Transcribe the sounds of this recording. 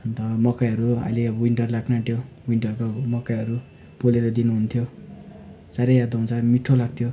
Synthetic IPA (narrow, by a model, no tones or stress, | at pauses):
ʌnt̪ʌmʌkajɦʌɾuʌ̰jleʌwiɳʈʌrlaknaʈʰjo | wiɳʈʌrɾukomʌkajɦʌɾu | b̥oleɾʌd̪inuɦunt̪ʰjo | saɾʌjad̪ʌũt͡sʰʌmiʈʰːolaɡ̚t̪ʰjo